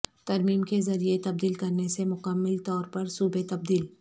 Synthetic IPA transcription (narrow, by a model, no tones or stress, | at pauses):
t̪ɐɾmiːmkezɐɾiet̪ɐb̚d̪iːlkɐɾnesemʊkəmːɪlt̪ɔːɾpɐɾsuːbet̪ɐb̚d̪iːl